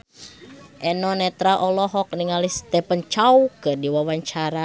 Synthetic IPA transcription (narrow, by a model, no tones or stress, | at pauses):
ʔɛnɔnɛt̪ɾaʔɔlɔɦɔk̚niŋalist̪ɛpənt͡ʃaukərdiwawaɲt͡ʃaɾa